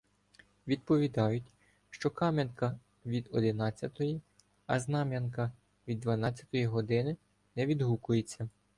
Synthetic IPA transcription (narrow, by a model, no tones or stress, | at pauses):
ʋʲid̪̚pɔʋʲid̪ɑjʊtʲ | ʃt͡ʃɔkɑmʲɐnkɐ | ʋʲid̪ɔd̪ɪnɑt͡sʲːɐt̪ɔji | ɐ̰znɑmʲjɐnkɐ | ʋʲid̪ːʋɐnɑt͡sʲːɐ̥t̪ɔjiɦɔd̪ɪnɪ | nɛʋʲid̪ɦukʊjet͡sʲːɐ